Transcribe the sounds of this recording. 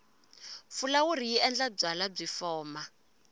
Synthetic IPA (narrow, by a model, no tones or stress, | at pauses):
fulawur̤ijiɛnd͡ɮab͡ʐalab͡ʐifɔːma